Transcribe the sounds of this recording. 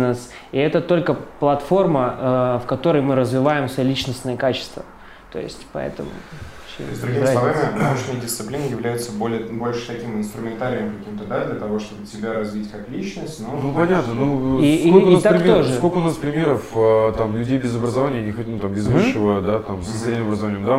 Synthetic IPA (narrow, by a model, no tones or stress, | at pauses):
nəs | iɛt̪ət̪o̞lʲkəplˠɐt̪fo̞rməəfkɐt̪o̞ɾəjmɨɾəzvʲɪvajɪmsəlʲit͡ɕnəsʲnəjəkat͡ɕɪ̥st̪və̰ | t̪o̞̰jɪ̰sʲtʲpɐ̰ɛ̰t̪əmʊ̰ | t͡ɕɪ̰zd̪ɾʊɡʲimssˠɐvamʲɪoɕnəjədʲɪst̪sɨplʲinəjɪvlʲæjʊt̪səbolʲɪəbo̞lʲʂɨ̥t̪ɐkʲimɨnst̪ɾʊmʲɪnt̪aɾʲɪjəmkɐkʲimt̪əd̪ad̪lʲət̪ɐvo̞ʂt̪o̞bɨtʲɪbʲaɾɐzvʲitʲkaklʲit͡ɕnəsʲtʲnonupɐnʲat̪nənuiskolʲknast̪apɾɪmʲoʐɨsko̞lʲkəʊnaspɾʲɪmʲeɾəfət̪amlʲʉdʲejbʲɪzəbɾəzɐvanʲɪjənʲɪxot̚ʲnut̪ambʲɪzvɨʂːəvəd̪at̪amsə̥sɐnʲːɪmɐbɾəzɐvanʲɪjəmd̪a